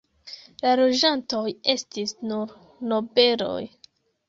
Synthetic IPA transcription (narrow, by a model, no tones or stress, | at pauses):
lalo̞d͡ʒanto̞je̞stisnuɾ | no̞be̞lo̞̰j